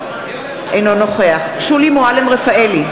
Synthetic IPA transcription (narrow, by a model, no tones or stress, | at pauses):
ʔejnonoχeaχʃulimoalemʁefaeli